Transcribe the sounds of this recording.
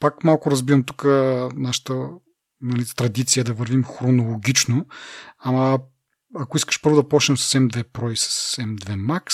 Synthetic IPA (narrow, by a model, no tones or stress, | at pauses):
pakmalˠkʊɾɐzbivɐmt̪u̥kənaʃə̥t̪ə | nɐlit̪ɾɐd̪it̪sijəd̪ɐvəɾvimxɾonolˠoɡʲit͡ʃnoamɐ | ɐkoiskə̥ʃpɤɾvʊd̪ɐpɔt͡ʃnɛmsɐ̥sɛmd̪vɛpɾɔisɐ̥sːɛmd̪vɛmaks